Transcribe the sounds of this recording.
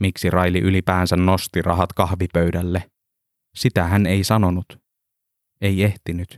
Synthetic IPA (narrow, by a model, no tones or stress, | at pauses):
miksirɑjliʔylipæːnsænːo̞st̪irʔɑɦɑt̪kɑhʋipøɥdælːe | sit̪æɦæne̞jsɑno̞nut̪ | e̞je̞ht̪inyt̪